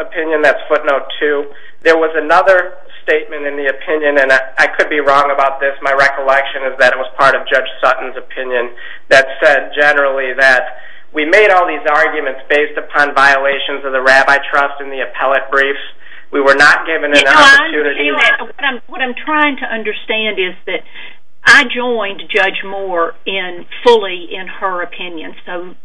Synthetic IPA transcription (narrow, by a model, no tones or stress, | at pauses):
əpʰɪ̃njɨ̃nðætsfʊtⁿnoʊtʰʉ | ðə˞wʌzɨnʌðə˞ | steɪt̚mɨ̃ñtɨ̃nðiɨpʰɪ̃njɨ̃nɨ̃nʔaɪkʰɨd̚biɹɔ̃ŋəbaʊt̪̚ðɪsmaɪɹɛkəlɛkʃɨ̃nɨzðɨɾɨt̚wʌz̥pʰɑɹɾʌvd͡ʒʌ̥d͡ʒ̥sʌʔn̩zɨpʰɪ̃njɨ̃n | ðɨtsɛd̚d͡ʒɛnə˞l̩ˠiðɨt̚ | wimeɪɾɔlˠðizɑɹɡjɨmɨ̃ntsb̥eɪstɨpʰɑ̃nvaɪəleɪʃɨ̃nzʌvðɨɹæbaɪtʰɹ̥ʌstɨ̃nðiɨpʰɛlˠɨt̚b̥ɹifs | wiwə˞nət̚ɡ̥ɪvɨ̃ŋɨ̃nɑpə˞tʰʉ̃nɨɾiwʌɾãɪ̃mwʌɾãɪ̃mtʰɹ̥aɪɪ̃ŋtʰɨʔʌ̃ndə˞stæ̃ndɪzðɨɾ | ʔaɪd͡ʒɔ̃ɪ̃nd͡ʒʌd͡ʒmɔɹ | ɪ̃n | fʊlˠiɪ̃nə˞ɨpʰɪ̃njɨ̃nsoʊ